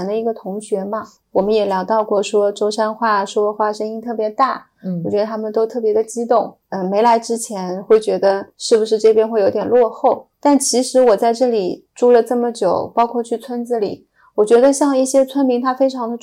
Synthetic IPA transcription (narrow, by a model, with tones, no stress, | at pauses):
nd̪ə˧i˧˥ɡə˧t̪ʰʊ˧˥ŋɕɥɛ˧˥mɐ˧ | wɔ˨˩mə˦njɛ˨˩ljɑ˧˥ʊt̪ɑ˥˧ʊkwɔ˥˩ʂwɔ˥ʈ͡ʂo˥ʊʂa˥nxwa˥˩ʂwɔ˥xwa˥˩ʂə˥ŋi˥ŋt̪ʰɤ˥˩pjɛ˧˥t̪a˥˩ | wɔ˨˩t͡ɕɥɛ˧˥d̪ə˧t̪ʰa˥mə˨nt̪o˥ʊt̪ʰɤ˥˩pjɛ˧˥d̪ə˧t͡ɕi˥t̪ʊ˥˩ŋ | ə˥˧me˧˥ɪla˧˥ɪʈ͡ʂɻ̩˥t͡ɕʰjɛ˧˥nxwe˥˩ɪt͡ɕɥɛ˧˥d̪ə˧ʂɻ̩˥˩bu˩ʂɻ̩˥˧ʈ͡ʂɤ˥˧pʰjɛ˥nxwe˥˩ɪjo˧˥ʊt̪jnlwɔ˥˧xo˥˩ʊt̪a˥˩nt͡ɕʰi˧˥ʂɻ̩˧˥wɔ˨˩t͡sa˥˧ɪʈ͡ʂɤ˥˩li˨˩ʈ͡ʂu˥˩lə˨ʈ͡ʂɤ˥˩mə˩t͡ɕjo˨˩ʊpɑ˥ʊkʰwɔ˥˧t͡ɕʰy˥˩t͡sʰwə˥nt͡sɹ̩˧lḭ˨˩˦ | wɔ˨˩t͡ɕɥɛ˧˥d̪ə˧ɕjɑ˥˧ŋi˥˩ɕjɛ˥t͡sʰwə˥nmi˧˥ŋt̪ʰa˥fe˥ɪʈ͡ʂʰɑ˧˥ŋd̪ə˧